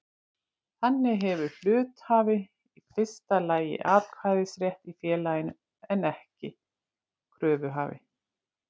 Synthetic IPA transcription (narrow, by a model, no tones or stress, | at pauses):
θanːɪɦɛvʏɾl̥ʏːt̪haːvɪ | ifɪ̥st̪alaːjɪ̰ʔaːkʰvaːðɪsɾjɛht̪ifjɛːlajɪn | ɛnɛhcɪ | kʰɾœːvʏɦa̰ːvɪ̰